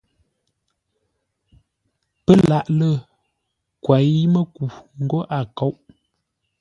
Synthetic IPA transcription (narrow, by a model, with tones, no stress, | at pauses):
pə˦la˦˨ʔlə˦˨ | kwa˨˦mə˦ku˨ŋ̩˦ɡo˦ʔa˨ko˦wʔ